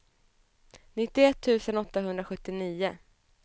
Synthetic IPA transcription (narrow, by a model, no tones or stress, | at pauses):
nɪt̪ːɪɛt̪ʰːʉ̟ːsənɔt̪ːaɦɵnd̪ɾaɧɵt̪ːɪniːʊ